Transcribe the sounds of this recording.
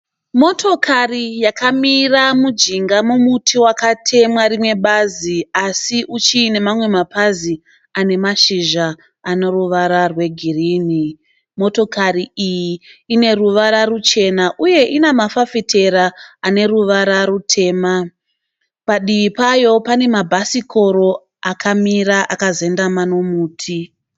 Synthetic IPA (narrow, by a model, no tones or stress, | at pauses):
mo̞tʰo̞kʰarijakamiramud͡ʒiŋɡamumutʰiwakatʰe̞mwaɾimwe̞ɓaziasiʔut͡ʃiːnemamwe̞mapazi | ane̞maʃiʒa | anoruʋaɾarwe̞ɡʱiriːni | mo̞to̞kariijiine̞ruʋaɾarut͡ʃe̞naʔuje̞ʔinamafafitʰe̞ɾaane̞ruʋaɾaɾutʰe̞ːma | paɗiʋipajo̞pane̞mabʱasikʰo̞ɾo̞ | akʰamiɾaʔakaze̞ndamano̞muːtʰi